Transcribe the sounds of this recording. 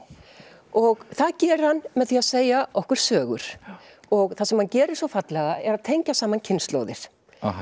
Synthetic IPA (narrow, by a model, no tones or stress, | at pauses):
ɔɣθaðcɛːɾ̥hanːmɛðθiaðseːjaʔɔhkʏɾ̥sœːɣʏ̰ɾ̥ | ɔɣθasɛmhancɛːɾɪ̥sɔfat̪lɛɣaɛɾaðt̪ʰejɲcasaːmancʰɪnst̪lo̰wðɪ̰ɾ̥